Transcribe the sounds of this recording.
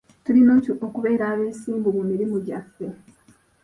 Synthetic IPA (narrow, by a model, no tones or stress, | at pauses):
tulinoːokuβe̞ːɾaːβe̞ːsiːmbumumiɾimuɟafːe̞